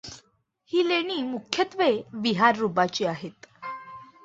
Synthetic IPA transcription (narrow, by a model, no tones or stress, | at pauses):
hiːleɽ̃iːmukʰjət̪ʋeʋiɦaɾːubat͡ɕiːaɦet̪